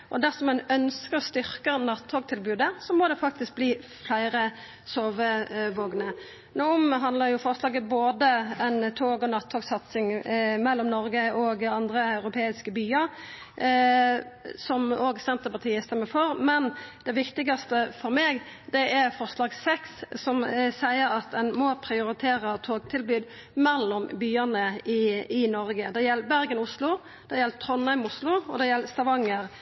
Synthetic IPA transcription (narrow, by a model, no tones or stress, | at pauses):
ʔɔd̪æsɔmːɛnœnskəɾɔst̪ʏɾkənɑt̪ʰːoːɡt̪ʰɪlbʉːd̪əsɔmɔd̪ɛfɑk̚t̪ɪsk̚bliː | flæɪɾə | soːʋəʋoːɡnə | noːɔmɦɑnd̪ləɾjʊfɔʁslɑːɡəboːd̪əɛnt̪ʰoːɡɔnɑt̪ʰːoːɡsɑt̪sɪŋmɛlːɔmnɔɾɡəɔɡɑnd̪ɾəɑʉɾʊpʰeːɪskəbyːəɾ | sɔmoːɡsɛnt̪əpɑt̪ʰiːəst̪ɛmːəfɔɾmɛnd̪̥ɛʋɪkt̪ɪɡɑst̪əfɔɾmeːɡd̪ɛʔæɾfɔʁslɑːɡsɛkssɔmsæɪəɾɑt̪̚d̪ɛnmɔpʰɾɪʊɾɪt̪ʰeːɾət̪ʰoːɡt̪ʰɪlbyːd̪ | mɛlːɔmbyːənəɪɪnɔɾɡəd̪ɛjɛlːəbæɾɡənʊslʊ | d̪̥ɛjɛlt̪ʰɾɔnɑɪmʊslʊɔd̪ɛjɛlːst̪ɑʋɑŋːəɾ